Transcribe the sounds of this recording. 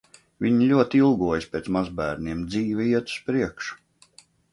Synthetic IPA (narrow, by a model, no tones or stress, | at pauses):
vʲiɲilʲuɔt̪ilˠɡuɔjspʲeːt̪smazbæːɾniɛmd̪ziːvʲɛiɛt̪u̥spɾiɛkʃu̥